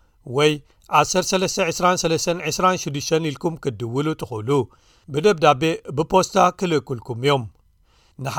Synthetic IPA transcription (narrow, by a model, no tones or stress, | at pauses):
wɔj | ʔasɐɾt̪sɐlɐst̪ʰɐʕɨsɾansɐlɐst̪ʰɐnʕɨsɾanʃɪd̪ːɨʃt̪ʰɐnilkʰumkʰɨd̪ɨwɨlut̪ʰɨxulu | bɨd̪ɐbd̪abe̞bɨpʰo̞st̪ʰakʰɨlɨkːulkʰumijo̞m | nɨħ